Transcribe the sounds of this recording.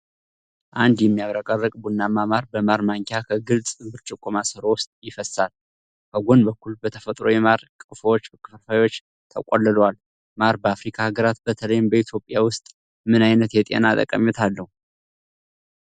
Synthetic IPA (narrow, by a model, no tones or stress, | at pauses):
ʔand̪jɛmːijaβɾəkʼərːəkʼbunːamamaɾbəmaɾmaŋkʲʰakʰəɡɨlt͡sʼbɨɾt͡ʃʼɪkʰʼːomasɨɾowʊst̪ʼjɪfəsal | kʰəɡʷo̞nbəkʷːulbət̪ʰəfət̪ʼɾo̞jɛmaɾkʼɨfwot͡ʃːkʼɨfəfajwot͡ʃː | t̪ʰəkʼolːəlwal | maɾbəafɾikʰahaɡəɾat̪̚bət̪ʰələjɪmbəit̪ʰjo̞pʼjawʊst̪ʼ | mɨnajnət̪jɛt̪ʼḛnat̪ʼə̰kʼːəmjɛt̪ʰalːəhu